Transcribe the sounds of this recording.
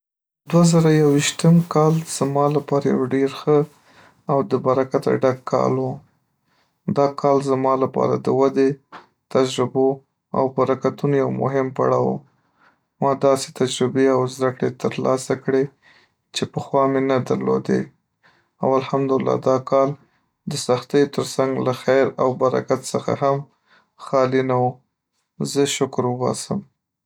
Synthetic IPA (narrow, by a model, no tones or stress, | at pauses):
d̪wazaɾajawiʃt̪əmkɑlz̥mɑlapɑɾaja̰wɖeɾxə | awd̪əbaɾakat̪a̰ɖakʰːɑ̰lwu | d̪ɑkʰɑlzamɑlapɑ̰ɾa̰d̪əwad̪e | t̪ad͡ʒɾɪbo | a̰wbaɾakat̪unojawmʊ̰ɦɪmpa̰ɽɑwṵ | mɑd̪ɑse̥t̪ad͡ʒɾɪbeawzd̪akɽet̪əɾlɑsakɽe | t͡ʃepəxwɑmenad̪a̰ɾlo̰d̪ḛ | awalhamd̪ʊɪlːɑ̰d̪ɑkʰɑl | d̪əsaxt̪əjot̪əɾsaŋɡlaxajɾawbaɾa̰kat̪səxa̰ham | xɑlinawu | zəʃʊkɾʊɣɑ̰səm